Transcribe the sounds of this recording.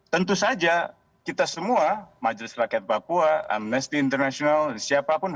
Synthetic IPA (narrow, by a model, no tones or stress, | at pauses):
t̪ənt̪usad͡ʒa | kit̪asəmuamad͡ʒlɪsrakat̪̚papuaa̰mnəst̪iːnt̪ərnasionalsiapapʊn